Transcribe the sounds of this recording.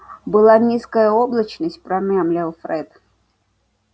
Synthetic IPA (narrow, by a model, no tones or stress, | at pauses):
bɨlˠanʲiskəjəoblˠət͡ɕnəsʲt̚ʲpɾɐmʲamlʲalˠfɾɛt̪